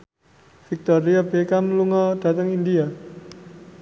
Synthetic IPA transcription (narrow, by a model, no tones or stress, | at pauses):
fik̚t̪ɔɾiabekaməluŋɔd̥a̤t̪əŋindia